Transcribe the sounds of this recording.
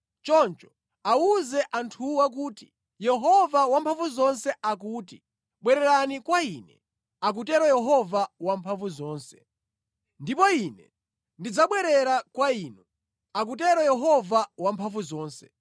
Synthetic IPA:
t͡ʃɔnt͡ʃɔ̥ | auzɛʔantʰuwak̬uːti̥ | jɛɦɔvawampʰaɱvuzɔnsɛʔak̬uːti | ɓwɛɾɛɾanikwainɛ̰ | ak̬utɛɾɔjɛɦɔvawampʰaɱvuzɔːnsɛ̥ | ndipɔinɛ | ndid͡zaɓwɛɾɛɾakwaiːnu | ak̬ut̬ɛɾɔjɛɦɔvawampʰaɱvuzɔːnsɛ̥

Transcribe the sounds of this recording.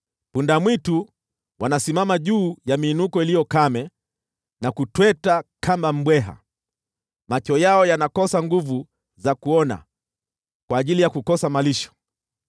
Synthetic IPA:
pundamwitu | wanasimamaʄuːjamiːnukɔilijɔkamɛ | nakutwɛtakʰambam̩ɓwɛɦa̰ | mat͡ʃɔjaɔjanakɔsaŋɡuvu | zakuɔna̰ | kwaːʄilijakukɔsamaliʃɔ̥

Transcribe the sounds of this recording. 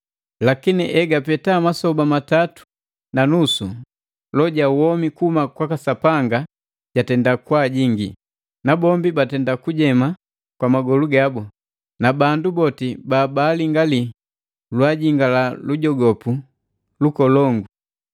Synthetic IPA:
lakiniʔɛɡapɛtamasɔbamatatu̥ | nanusu | lɔɟawɔmikuhumakwakasapaŋɡa | ɟ̥atɛndakwaɟiŋɡḭ | nabɔmbibatɛndakuɟɛma | kwamaɡɔluɡabɔ | nabandubɔtibaːbaːliŋɡali | lwaɟiŋɡalaluɟɔɡɔpu | lukɔlɔŋɡu

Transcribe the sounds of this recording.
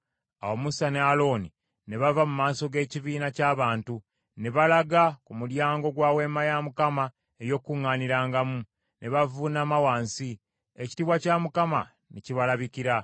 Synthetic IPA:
a̰womusanealo̞ni | ne̞βavamumaːso̞ɡe̞ːciβiːnacaːβaːntu | ne̞βalaɡakumuɾjaːŋɡo̞ɡwaːwe̞ːmajamukama | ejo̞kuŋaniɾaːŋɡamu | nʔe̞βavunaːmawaːnsi | eci̥tiβwacamukama̰ | neciβalaβikiɾa

